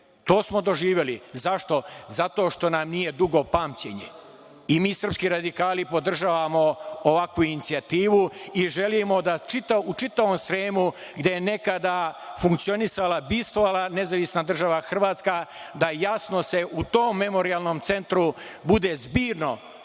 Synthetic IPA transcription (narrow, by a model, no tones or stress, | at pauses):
t̪o̞ːsmo̞d̪o̞ʒiːʋe̞lizaʃt̪o̞zat̪o̞ːʃt̪o̞namnije̞d̪uɡo̞paːmt͡ɕe̞̰ɲḛ | imiːsər̩pskiɾad̪ikaːlipo̞d̪r̩ʒaːʋamo̞oʋakʋuinit̪siat̪iːʋuiʒe̞limo̞d̪at͡ʃit̪aut͡ʃit̪aʋomsɾeːmu | ɡd̪e̞jene̞kad̪afuŋkt̪sio̞nisalabist̪ʋoʋalˠane̞zaʋisnad̪r̩ʒaʋaxr̩ʋaːt̪skad̪ajasno̞se̞ʔut̪o̞ːmːe̞mo̞ɾialˠno̞ːmt̪se̞nt̪ɾubud̪e̞zbiːɾno̞